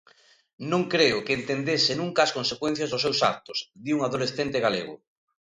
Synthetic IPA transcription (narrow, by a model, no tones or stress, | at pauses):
nõŋkɾeʊkeːnt̪end̪esɪnũŋkaːskonsekwẽn̟θjazðʊsewsa̰k̚t̪ʊsðiuŋaðolesθent̪ɪɣaleɣʊ̰